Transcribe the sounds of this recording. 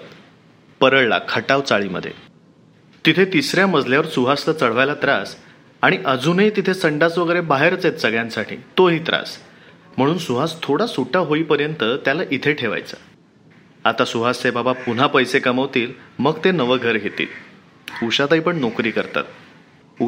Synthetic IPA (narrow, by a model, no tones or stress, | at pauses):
pəɾəɭla̰kʰəʈaʋt͡saɭiːmə̰d̪ʱːjḛ | t̪it̪ʰet̪isɾjaməd͡zʱljaʋəɾsuɦaslət͡səɽ̤ʋajlat̪ɾas | aɽ̃iʔəd͡zuniːt̪it̪ʰesəɳɖasʋəɡəɾebaɦeɾt͡set̪səɡɭjãnsaʈʰḭːt̪oɦiːt̪ɾa̰s | m̤əɽ̃uːnsuɦast̪ʰoɽasuʈaɦoiːpəɾjənt̪ət̪jalaʔit̪ʰeʈʰeʋa̰jt͡sa | at̪asuɦast͡sebabapun̤apəjsekəməʋt̪iːlməɡt̪enəʋəɡʱəɾɦet̪ḭːl | uɕat̪aɦipəɳnokɾiːkəɾt̪a̰t̪̚